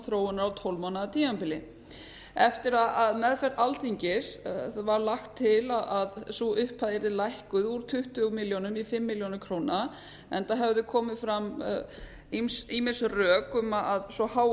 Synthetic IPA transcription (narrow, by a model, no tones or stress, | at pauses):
θɾoːwʏnaɾawt̪ʰowlmanaːt̪ʰiampɪlɪ | ɛft̪ɪɾaaðmɛðfɛɾ̥t̪alθiɲcɪsθaðvaɾlaxt̪ʰːɪlaðaðsuʔʏhpʰaðɛɾðɪlajhkʏðuɾ̥t̪ʰʏht̪ʏmɪljonʏmifɪmːɪljownʏkʰɾoːwna | ɛnt̪aɦɛvðʏkʰɔːmɪfɾam | imsimɪnsrœːkʏmaaðsɔhaw